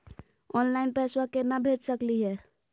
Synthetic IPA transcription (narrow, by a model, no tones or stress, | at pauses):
ɔnlaɪnpɛswakenəbʱeʈsəkliɦɛ